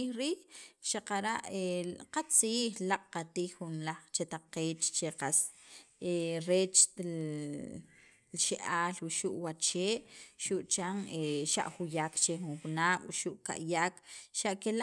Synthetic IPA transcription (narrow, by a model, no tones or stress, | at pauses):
iɾiːʔʃaqaɾaʔeqat͡siːχlaqʼqat̪iːxːunlaχt͡ʃet̪aqeːt͡ʃt͡ʃeqaseɾeːt͡ʃ | lʃeʔaːlwuʃuʔwat͡ʃeːʔʃuʔt͡ʃaŋeʃa̰ʔxujakt͡ʃexunxunaːɓʃuʔka̰ʔjaːkʃaʔkela